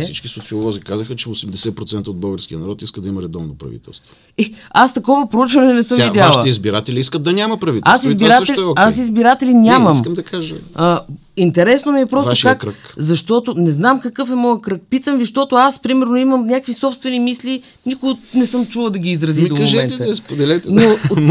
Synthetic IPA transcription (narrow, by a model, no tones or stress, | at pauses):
sḭt͡ʃkisot̪siolˠɔzikazəxət͡ʃɛosɛmd̪ɛsɛpɾot̪sɛnt̪əod̪bɤɡəɾskijənɐɾɔt̪iskəd̪ɐimɐɾɛd̪ɔvnopɾɐ̰vḭt̪ɛ̰lˠst̪vo | ɛast̪ɐkɔvɐpɾout͡ʃvɐnɛnɛsɤmiɛaalˠət̪ɛizbiɾat̪ɛlʲiiskət̪̚d̪ɐnʲaməpɾɐvit̪asizbiɾaʃɛlasizbiɾat̪ɛlinʲamɐimskəmd̪ɐkaʒə | int̪ɛɾɛsnomiɛpɾɔsvaoʃkakɾəkzɐʃt̪ɔt̪ʊnɛznamkɐkɤfɛmɔjəkɾək̚pit̪əmviʃt̪ɔt̪ʊaspɾimɛɾnoiməmnʲjakvisɔpst̪vɛnimislʲi | nikʊɡnɛsɤmt͡ʃulˠəd̪ɐɡʲiːzɾɐzid̪omoʒɛɛnd̪əspod̪ɛlɛt̪ɛno